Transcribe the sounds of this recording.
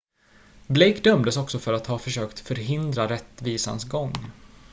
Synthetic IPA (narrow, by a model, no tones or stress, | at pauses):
blɛjkd̪œmd̪əsɔksɔfœɾat̪hɑːfœʂøːkt̪fœɾɦɪnd̪ɾaɾɛt̪ːviːsa̰nsɡɔŋː